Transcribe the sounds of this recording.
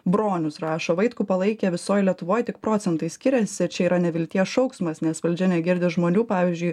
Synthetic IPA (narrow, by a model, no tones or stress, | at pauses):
bɾoːnʲʊsɾɑːʃoːʋɐɪt̪kuːpɐlˠɐɪkʲɛʋʲɪsoːjlʲiɛt̪ʊʋoːjt̪ʲɪk̚pɾoːsʲɛnt̪ɐɪsʲkʲɪɾʲɛsʲɪt͡ʃʲɛiːɾɐnʲɛʋʲɪlʲt̪ʲiɛsʃɒʊksmɐsnʲɛsʋɐlʲd͡ʒʲɛnʲɛɡʲɪɾʲd̪ʲɪʒmoːnʲuːpɑːʋʲiːzʲd͡ʒʲʊɪ